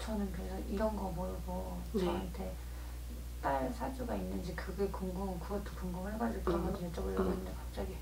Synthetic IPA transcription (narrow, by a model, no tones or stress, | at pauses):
t͡ɕʌnɯnkɯɾesʰʌʔiɾʌnɡʌmoɭɡo | ʌɦantʰe̞ | t͈aɭsʰad͡ʑuɡainːɯnd͡ʑikɯɡekoŋɡoŋkɯɡʌtʰːo̥koŋɡomɯɭheɡwad͡ʑikɯɾʌnɡʌtʰojʌt͡ɕ͈ʌbɯɭjʌɡonnɯndekap̚t͡ɕ͈aɡi